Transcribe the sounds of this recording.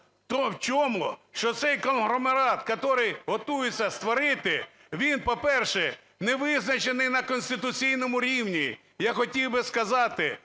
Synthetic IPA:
t̪ɔwt͡ʃɔmʊʃt͡ʃɔt̪sɛjkɔnɦɾɔmeɾɑt̪kɔt̪ɔɾɪjɦɔt̪ujet͡sʲːɐst̪ʋɔɾɪt̪ɪ | ʋʲinpɔpɛrʃɛ | nɛʋɪznɐt͡ʃenɪjnɐkɔnʲsʲt̪ɪt̪ʊt͡sʲijnɔmʊɾʲiwnʲi | jaxɔtʲiwbɪskɐzɑt̪ɪ

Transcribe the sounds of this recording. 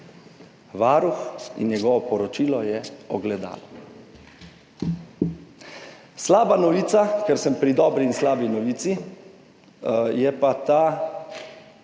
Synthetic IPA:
ʋaːɾuxḭnjɛɡɔʋɔpɔɾɔt͡ʃilɔjɛɔɡlɛd̪a̰ːlɔ | slaːbanɔʋiːt̪sakɛɾsəmpɾid̪ɔːbɾinslaːbinɔʋiːt̪si | jɛpat̪aː

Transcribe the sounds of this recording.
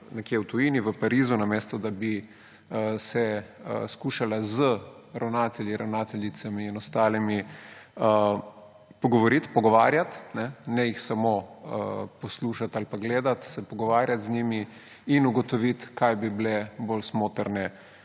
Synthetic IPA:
nɛkjewt̪ujiniʋəpaɾiːzunameːst̪ɔd̪abi | sɛəskuːʃalazə | ɾawnaːt̪ɛljiɾawnaːt̪ɛljit̪samiinɔst̪aːlimiə | pɔɡɔʋɔɾit̪pɔɡɔʋaːɾjat̪nɛnɛjixsamo | pɔsluːʃat̪alpaɡleːd̪at̪sɛpɔɡɔʋaːɾjat̪zɲimi | inuɡɔt̪ɔʋit̪kajbiblɛbolsmoːt̪əɾnɛ

